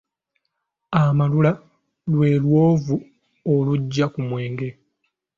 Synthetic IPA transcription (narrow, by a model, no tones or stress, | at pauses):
amalula | lwe̞ːlwoːvu | oluɟːakumwe̞ːŋɡe̞